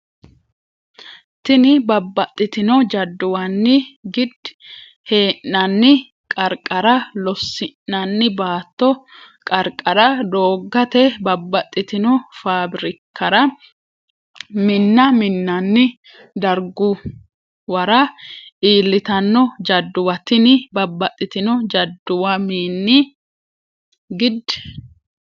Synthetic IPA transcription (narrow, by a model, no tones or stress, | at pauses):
t̪ɪnɪbɐbːɐt̪ʼːɪt̪ɪnɔd͡ʒɐd̪ːʊwɐnːɪɡɪd̪ | he̞ːʔɐnːɪ | kʼɐɾkʼːɐɾɐlɔsːɪʔːɐnːɪbaːt̪ːɔ | kʼɐɾkʼɐɾɐd̪o̞ːɡːɐt̪ɛbɐbːɐt̪ʼːɪt̪ɪnɔfaːbɾɪkːɐɾɐ | mɪnːɐmɪnːɐnːɪ | d̪ɐɾɡʊ | wɐɾɐʔiːlːɪt̪ɐnːɔd͡ʒɐd̪ːʊwɐt̪ɪnɪbɐbːɐt̪ʼːɪt̪ɪnɔd͡ʒɐd̪ːʊwɐmiːnːɪ | ɡɪd̪ɛ̥